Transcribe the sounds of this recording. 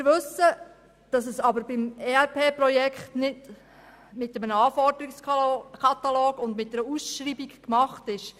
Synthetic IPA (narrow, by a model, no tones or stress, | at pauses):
ɪɾʋɵsə | d̥ɑs̬əsɑbəɾbɪmeːɛɾpʰeːprɔjɛkχtnɪd | mɪtːɛmənəɑːfɔrd̥əɾikskʰɑt̪ɑloːɡʊndmɪt̚dɛɾusʃriːbikkmɑχtɪʃ